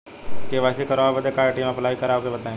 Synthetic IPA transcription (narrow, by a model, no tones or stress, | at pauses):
keʋaːsekɐɾobɐt̪ekaːʈiːmɐplaːikɐɾaːkebɐt̪aːẽ